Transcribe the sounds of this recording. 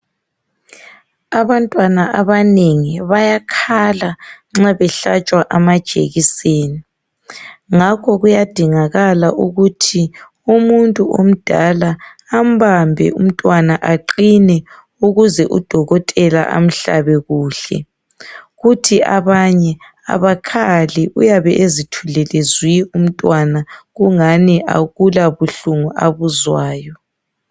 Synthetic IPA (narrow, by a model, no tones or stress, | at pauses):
aβantʼwanaʔaβaneŋiβajakʰalaŋ͡ǁaβɛɬat͡ʃʼwaʔamad̥ʒ̥ʱḛɣiseːni | ŋakʰɔɣujad̥ʱiŋaɣalaʔuɣutʰi | umuntʼuo̰m̩d̥ʱalaː | m̩bambʱɛ̰um̩tʼwanaʔaǃinɛ | uɣuzɛʔṵd̥ʱɔɣɔtʼɛla̰ʔa̰m̩ɬa̰βɛɣuːɬɛ̰ | ɣutʰiaβaɲɛ | a̰βakʰaliʔṵjaβɛʔezitʰulɛlezwium̩tʼwanaɣuŋaniʔa̰ɣulaβuɬuŋuʔaβuzwaːjɔ